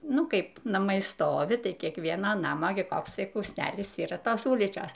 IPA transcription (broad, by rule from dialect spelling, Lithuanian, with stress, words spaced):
ˈnʊ ˈkɐɪp nɐˈmɐɪ ˈstoːʋʲɪ ˈtɐɪ kʲiɛkˈʋʲiɛnɐ ˈnɑːmɐ ɡʲɪ ˈkoːks ˈtɐɪ kuːsʲˈnʲæːlʲɪs ˈiːrɐ ˈtoːs ˈʊlʲiːt͡ʃʲoːs